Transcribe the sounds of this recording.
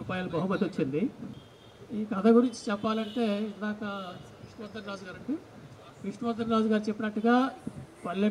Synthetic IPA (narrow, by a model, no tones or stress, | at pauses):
upaːjaːlubɐɦumɐt̪ːiot͡ʃːind̪i | iːkɐd̪ʰɐɡuɾiɲt͡ʃi̥t͡ʃɛpːaːlɐɳʈe̞ːid̪aːkɐkɾiʂɳumɐd̪ːɐnɾaːd͡ʒuɡaːɾɐɳʈi | kɾiʂɳɐmɐd̪ːɐnɾaːd͡ʒuɡaːɾut͡ʃepːinɐʈːuɡaːpɐlːɐ